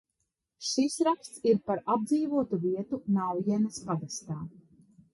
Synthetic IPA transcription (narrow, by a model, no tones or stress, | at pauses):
ʃisɾakst̪siɾpaɾab̚d̪ziːvuɔt̪uviɛt̪unawjɛnaspad̪ast̪aː